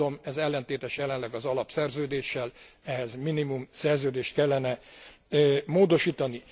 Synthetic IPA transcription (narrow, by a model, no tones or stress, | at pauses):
o̞mɛzɛlːɛnt̪eːt̪ɛʃjɛlɛnlɛɡɒzɒlɒpsɛrzøːd̪eːʃːɛl | ɛɦɛzminimumsɛrzøːd̪eːʃt̪̚kɛlːɛnɛ | moːd̪o̞ʃiːt̪ɒni